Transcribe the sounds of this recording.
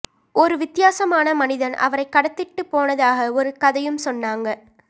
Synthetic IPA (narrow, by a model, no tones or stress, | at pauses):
ɔɾɯʋɪt̪ːɪjaːsɐmaːnɐmɐnɪðɐnɐ̰ʋɐɾɐɪkːɐɽɐt̪ːɪʈːɯpːoːnɐðaːɣɐɔɾɯkɐðɐjɯmsɔnːaːŋɡɐ